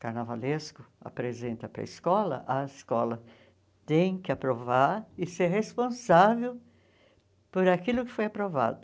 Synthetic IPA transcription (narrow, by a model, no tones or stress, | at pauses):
kaɾnavaleskʊa̰pɾezẽnt̪ɐpɾɐ̰ɪskɔlɐ̰ʔɐɪskɔlɐ | t̪ẽj̃kɪapɾovaɾɪseɾɦespõsavew | poɾakilʊkɪfojapɾova̰d̪ʊ